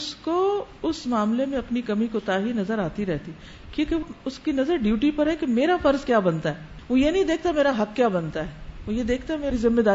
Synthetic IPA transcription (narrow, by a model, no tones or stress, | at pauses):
ʊsko | ʊsmaːmlemẽɐpnikɐmikot̪aːɦinɐzəɾaːt̪iɾɛɦt̪i | kjũːkeoʊskinɐzəɾɖjuːʈipɐɾɦɛkemeːɾafɐɾzkjaːbɐnt̪aɦɛː | ʋojenɐɦĩd̪eːk̚ʰt̪ameːɾaɦɐkkːjaːbɐnt̪aɦɛːʋojed̪eːk̚ʰt̪aɦɛmeːɾizɪmːed̪aː